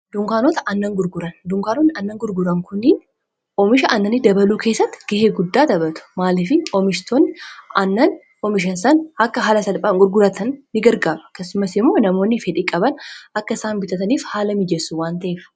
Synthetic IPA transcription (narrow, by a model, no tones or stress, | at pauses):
d̪ʊŋkaːnot̪ɐʔɐnːɐŋɡʊɾɡʊɾɐnd̪ʊŋkaːnonːɪɐnːɐŋɡʊɾɡʊɾɐŋkʊnːɪn | ʔɔmɪʃɐʔɐnːɐnːɪd̪ɐbɐluːkʰe̞ːsːɐt̪ːɪ̥ɡ̥ɛheːɡʊd̪ːaːt̪ɐbɐt̪ʊ̥maːlɪfɪɔmɪʃt̪ʰoːnːɪɐnːɐn | ɔmɪʃ̬ɐnsɐnɐkːɐɦaːlɐsɐlpʼaːŋɡʊɾɡʊɾɐt̪ʰɐnːɪɡɐɾɡaːɾɐɐkːɐsːʊmɐsɪmːoːnɐmo̞ːnːɪfɛᶑiːkʼɐbɐnʔɐkːɐɪsaːnbɪt̪ɐt̪ɐniːfhaːlɐmɪd͡ʒɛsːuwaːnt̪ɐʔeːf